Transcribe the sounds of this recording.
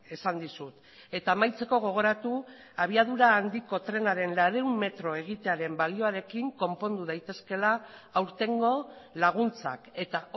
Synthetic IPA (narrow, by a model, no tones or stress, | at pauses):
esand̪isut̪ | e̞t̪aːmajt͡se̞ko̞ɣ̞o̞ɣ̞o̞ɾat̪u | aβ̞iaðuɾaːnd̪iko̞t̪ɾe̞naɾe̞nlaɾeumːe̞t̪ɾo̞e̞ɣ̞it̪e̞aɾe̞mbalio̞aɾe̞kiŋko̞mpo̞nd̪uð̞ajt̪e̞ske̞laːwɾt̪e̞ŋɡo̞laɣ̞unt͡sa̰ke̞t̪a